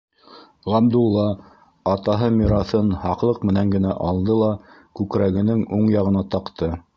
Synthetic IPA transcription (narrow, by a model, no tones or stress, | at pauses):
ʁɑmd̪ulˠːɑ | ɑt̪ɑɦɤmiɾɑθɤnhɑqlˠɤqmɘ̆næŋɡɘ̆næʔɑlˠd̪ɤlˠɑ | kʉkɾæɡɘ̆nɘŋuɴjɑʁɤ̆nɑt̪ɑqt̪ɤ